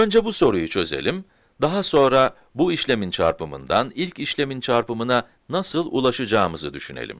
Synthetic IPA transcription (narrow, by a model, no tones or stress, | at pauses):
ø̞nd͡ʒɛbuso̞ɾujut͡ʃʰø̞ze̞̰lʲim | d̪aɦaso̞nɾa | buiʃlʲe̞mint͡ʃʰa̰ɾpɯmɯ̰nd̪anilʲciʃlʲe̞mint͡ʃʰaɾpɯmɯna | nasɯlˠṵlˠaʃɯd͡ʒaːmɯzɯd̪yʃynḛlʲḭm